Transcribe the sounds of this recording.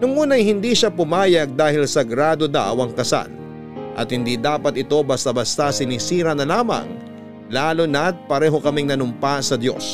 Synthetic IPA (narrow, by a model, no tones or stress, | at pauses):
nʊŋʔuːnɐjhɪnd̪iʃapʊmaːjɐɡ̚d̪aːhɪlsɐɡɾaːd̪od̪a̰wɐŋkɐsa̰l | ʔɐ̰t̪̚hɪnd̪iːd̪aːpɐt̪ɪt̪o̞bɐst̪abɐst̪asɪnisiːɾɐnɐlaːmɐ̰ŋ | laːlʊnɐt̪̚pɐɾɛːɦo̞kɐmɪŋnɐnʊmpasɐd̪jo̞̰s